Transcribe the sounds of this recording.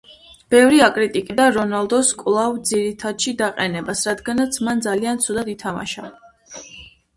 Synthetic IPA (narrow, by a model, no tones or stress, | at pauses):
b̥ɛvɾiakʼɾit̪ʼikʼid̪aɾɔnalˠd̪ɔskʼlˠavd̪ziɾit̪ʰad̪ʃid̪aqʼɛnɛbasɾad̪ɡanat̪sʰmand̪zaliant̪sʰud̪ad̪it̪ʰama̰ʃa̰